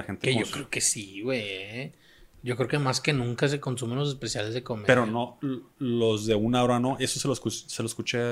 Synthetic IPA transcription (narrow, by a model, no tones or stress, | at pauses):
axent̪ekeʝo̞kkɾeokesiwej | ʝo̞kɾeokemaske̞nũŋkas̬e̞ko̞nsumenlo̞s̬e̞spe̞sjale̞zðeko̞mepeɾonolo̞zðe̞unaoɾano̞ʔe̞soseloeskuseloeskut͡ʃe